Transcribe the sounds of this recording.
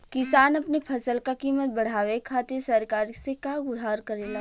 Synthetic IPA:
kɪsaːnɐpnepʰɐsəlkakiːmət̪̚bɐɽ̤aːʋekʰaːt̪ɪsɐɾkaːɾisekaɡʊɾɦaːɾkɐɾela

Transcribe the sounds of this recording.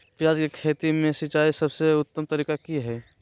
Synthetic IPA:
pjaːd͡ʒkekʰeːt̪imẽsit͡ʃaːisəbseʊt̪ːəmt̪əɾiːkakiɦɛː

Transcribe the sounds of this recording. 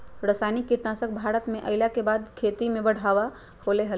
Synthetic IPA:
ɾəsajnikːiʈnasək̚bʱaɾət̪meʔəɪlakebad̪kʰet̪imẽbəɽ̤aba | holeɦəl

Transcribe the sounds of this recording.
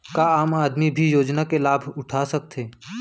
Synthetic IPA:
kaaːmaːd̪mibʱijoːd͡ʒnakelaːbʱʊʈʰasɐk̚t̪ʰeː

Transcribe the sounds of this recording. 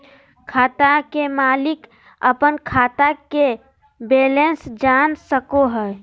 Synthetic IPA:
kʰaːt̪akemaːlɪk | əpənkʰaːt̪ake | beːlensd͡ʒaːnsəkoɦɛ

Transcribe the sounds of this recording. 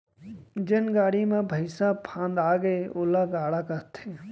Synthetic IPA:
d͡ʒɪnɡaːɽimẽbʱəɪsapʰãːnd̪aːɡeʊlaɡaːɽakɐɾt̪ʰe

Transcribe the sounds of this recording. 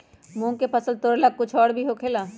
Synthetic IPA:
mũːŋkepʰəsəlt̪oɾləɡ̚kʊt͡ʃʰɔːɽbʱiɦokʰeːlaː

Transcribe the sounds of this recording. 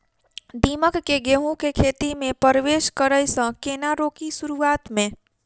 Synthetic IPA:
d̪iməkːeɡeɦũkekʰet̪imepəɾʋeskəɾəjsə̃kenaɾokisuɾuat̪mẽ

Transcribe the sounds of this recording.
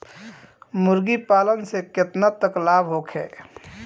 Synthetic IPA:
mʊɾɡipaːlənsekɪt̪nat̪əklaːbɦoːkʰɦɛ̰ː

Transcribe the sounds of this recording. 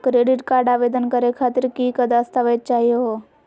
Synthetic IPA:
kɾeːɖɪʈkaːɾɖaːʋeːd̪ənkəɾekʰaːt̪ɪɾkiːkəd̪ast̪aʋət̪̚t͡ʃaːɦijoɦo

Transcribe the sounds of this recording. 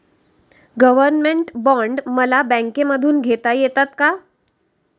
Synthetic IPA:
ɡəʋəɾnmeɳʈbɔ̃ɳɖməlabɛ̃ŋkeməd̪ʱuːnɡʱet̪ajet̪at̪ka

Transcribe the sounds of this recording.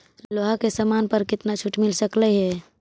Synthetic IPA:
loːɦakesamaːnpəɾkɪt̪nat͡ʃʰʊʈmɪlsəkləɦɛː

